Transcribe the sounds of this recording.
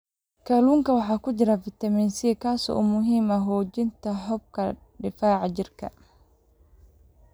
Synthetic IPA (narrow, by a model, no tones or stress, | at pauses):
kʰɐluːŋkɐwɑħɑːkʊd͡ʒɪɾafɪt̪ɐmiːnsikʰaːsɔ̰ɔ̰ːmʊɦiːmɐɦɔːd͡ʒɪnt̪ʰɐħɔb̚kʰɐ | ɖɪfaːʕɑd͡ʒɪrkʰɐ̰